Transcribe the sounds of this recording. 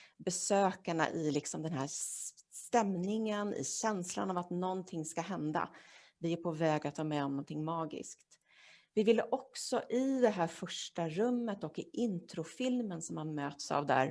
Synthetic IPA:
bɛsøːkaɳa̰ʔɪlɪksɔmd̪ɛnɦæːst̪ɛmnɪŋənɪ̰ɕɛnsla̰navat̪nɔnt̪ʰɪŋːskaɦɛnd̪a̰vɪæɾpʰɔvɛːɡat̪ʰːɑːmɛɔmnɔnt̪ʰɪŋːmɑːɡɪ̰skt̪ | vɪvɪlːəʔɔksɔʔɪd̪ɛɦæːɾfœʂʈaɾɵmːət̪ɔkːɪʔɪnt̪ʰɾʊfɪlmənsɔmhanmøːt̪sa̰vd̪æ̰ːɾ

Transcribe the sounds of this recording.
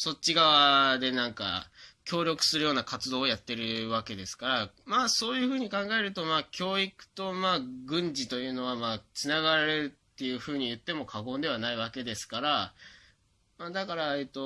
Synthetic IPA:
so̞t͡ɕːiɡaβad̪e̞nãŋka̰kʲo̞ːɾʲo̞kɯ̟̥sɨɾɯ̟jo̞ːnakat͡sɨd̪o̞ːjat̪ːe̞ɾɯ̟βake̞d̪e̞sɨ̥kaɾamaːso̞ːjɯ̟ɸɯ̟ːɲ̟ikãŋɡae̞ɾɯ̟t̪o̞maːkʲo̞ːikɯ̟̥t̪o̞maːɡɯ̟̃ɲd͡ʑit̪o̞jɯ̟ːno̞βamaːt͡sɨnaɡaɾaɾe̞ɾɯ̟t̪ːe̞jɯ̟ːɸɯ̟ːɲ̟ijɯ̟t̪ːe̞mo̞kʰaɡo̞ːnd̪e̞β̞anaiβake̞d̪e̞sɨ̥kaɾa | maːd̪akaɾae̞t̪ːo̞

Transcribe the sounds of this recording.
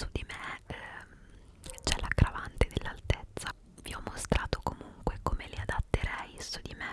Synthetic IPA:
sud̪ime | t͡ʃɛlakɾavant̪ed̪elːalt̪et̪sːa | viɔmːost̪ɾaːt̪okomuŋkwekomeliad̪at̪ːeɾɛjsud̪ime

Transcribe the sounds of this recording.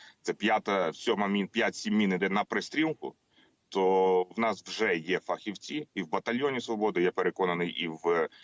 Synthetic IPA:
t̪sɛpʲjat̪ɐsʲɔmɐmʲinpʲjatʲsʲimːʲinɪd̪ɛnɐpɾesʲt̪ʲɾʲilˠkʊ̰ | t̪ɔwnɑswʒɛjɛfɐxʲiwt͡sʲiːwbɐt̪ɐlʲjɔnʲisʋɔbɔd̪ɪjɛpeɾekɔnɐnɪjʔiw

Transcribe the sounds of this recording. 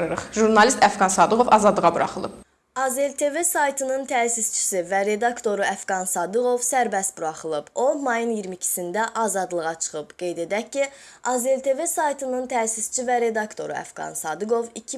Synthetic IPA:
ɯɾɯχʒuɾnɑlist̪ʰæfɡɑnsɑd̪ɯɡo̞vɑzɑd̪lˠɯʁɑbuɾɑ̰χɯlˠɯ̰p | ɑze̞lt̪ʰe̞ve̞sɑjt̪ʰɯnɯnt̪ʰæːsist͡ʃʰi̥sivæɾe̞d̪ɑkt̪ʰo̞ɾuæfɡɑnsɑd̪ɯɣo̞vsæɾbæst̪buɾɑχɯlˠɯbo̞mɑjɯnjiɾmicʰi̥sind̪æʔɑzɑd̪lˠɯʁɑt͡ʃʰɯ̥χɯbɡ̥e̞jd̪e̞d̪æcʰːiɑze̞lt̪ʰe̞ve̞sɑjt̪ʰɯnɯnt̪ʰæːsist͡ʃʰivæɾe̞d̪ɑkt̪ʰo̞̰ɾuæ̰fɡ̥ɑ̰nsɑd̪ɯɡo̞vicʰi

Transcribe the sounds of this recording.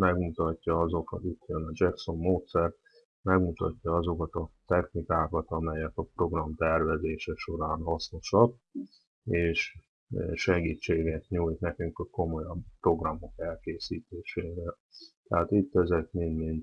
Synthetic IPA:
mɛɡmut̪ɒcːɒɒzo̞kɒt̪it̪jønɒd͡ʒɛkso̞mːoːt̪sɛrt̪̚ | mɛɡmut̪ɒ̰cːɒɒzo̞kɒt̪ɒt̪ɛxnikaːkɒt̪ɒmɛjɛkɒpro̞ɡrɒmt̪ɛrvɛzeːʃɛʃo̞ɾaːnhɒsno̞ʃɒk | eːʃ | ʃɛɡiːt͡ʃːeːɡɛt̪ɲuːjt̪nɛkyŋkko̞mo̞jɒbpro̞ɡrɒmo̞kɛlkeːsiːt̪eːʃeːɾɛl | t̪ɛɦaːt̪it̪ːɛzɛt̪minmint̪

